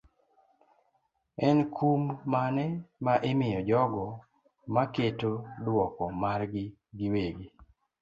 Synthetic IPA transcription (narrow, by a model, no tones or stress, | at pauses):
ɛnkʰumːanɛmaʔemɪjɔd͡ʒɔɡɔ | maketodwɔkɔmarɡɪ | ɡiweɡi